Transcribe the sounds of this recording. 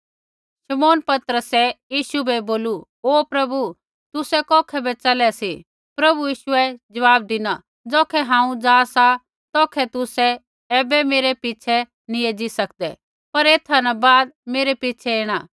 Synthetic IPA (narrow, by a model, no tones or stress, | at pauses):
ʃɐmoːnpɐt̪ɾəsɛjiːʃubʱɛboːlu | oːpɾɐbu | t̪ʊsɛkɔːkʰɛbɛt͡ʃɐlɛsi | pɾɐbujiːʃʊɛd͡ʒɐʋaːb̚d̪ɪna | d͡zoːkʰɛɦãːũd͡ʒaːsa | t̪ɔːkʰɛt̪ʊsɛː | bɛmeːɾɛpɪt͡ʃʰɛ | nĩeːd͡ʒisɐkd̪ɛ̰ | pɐɾeːt̪ʰanabaːd̪̚meːɾepit͡ʃʰɛeːɽ̃a